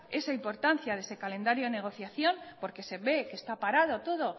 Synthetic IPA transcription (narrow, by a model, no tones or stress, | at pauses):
e̞saimpo̞ɾt̪an̟θjaðese̞kale̞nd̪aɾjoene̞ɣ̞o̞θjaθjo̞mpo̞ɾke̞se̞βe̞ke̞st̪apaɾað̞o̞t̪oðo̞